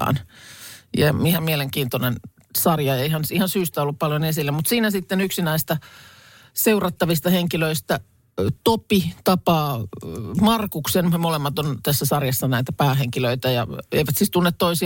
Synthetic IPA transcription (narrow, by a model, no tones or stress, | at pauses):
ɑ̰ːn | jɑmihæmmieleŋkiːnt̪onen | sɑrjɑeihɑnihɑnsyːst̪æolːuppɑljonesilːæmut̪siːnæsit̪ːenyksinæist̪ɑ | seurɑt̪ːɑʋist̪ɑheŋkiløist̪æ | t̪opit̪ɑpɑː | mɑrkuksenmolemːɑt̪ont̪æsːæsɑrjɑsːɑnæit̪æpæːɦeŋkiløit̪æjɑ̰ḛiʋæt̪sist̪unːet̪t̪oisi